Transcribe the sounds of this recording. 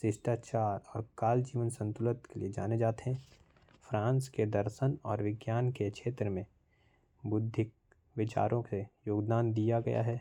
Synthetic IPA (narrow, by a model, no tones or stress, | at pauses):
sɪʃʈat͡ʃaːɾɔːɾkaːld͡ʒiːʋənsɐ̃nt̪ʊlət̪kelḭed͡ʒa̰ːned͡ʒaːt̪eɦɛ̃ | fɾãːnsked̪əɾʃənɔːɾʋɪɡjaːnkekʃeːt̪ɾəmẽ | bʊd̪ʱːɪk̚ | ʋɪt͡ʃa̰ːɾʔõejoːɡd̪aːnd̪ijaɡɐ̰ja̰ɦɛː